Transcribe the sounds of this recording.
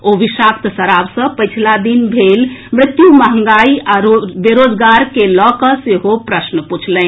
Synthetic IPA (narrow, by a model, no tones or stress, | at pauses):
oʋiʃak̚t̪səɾabsə̃pəjt͡ʃʰlad̪inbʱelmɾɪt̪juməɦəŋɡaiaobeɾod͡ʒɡaɾkelɔkəseɦopɾəsnəput͡ʃʰlɛn